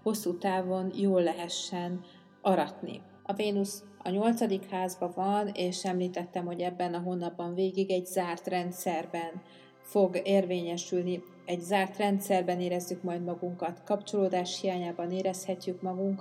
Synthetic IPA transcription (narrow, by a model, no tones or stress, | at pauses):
ho̞sːuːt̪aːvo̞njoːlːɛɦɛʃːɛn | ɒɾɒt̪nḭ | ɒveːnus | ɒ̰ɲo̞lt̪sɒd̪ikhaːzbɒvɒneːʃɛmliːt̪ɛt̪ːɛmho̞ɟɛbːɛnɒɦo̞nːɒbːɒɱveːɡiɡɛɟzaːrt̪rɛnt̪sɛrbɛn | fo̞ɡeːrveːɲɛʃylni | ɛɟzaːrt̪rɛnt̪sɛrbɛneːɾɛzːykmɒjd̪mɒɡuŋkɒt̪kɒpt͡ʃo̞loːd̪aːʃhijaːɲaːbɒneːɾɛshɛcːykmɒɡuŋk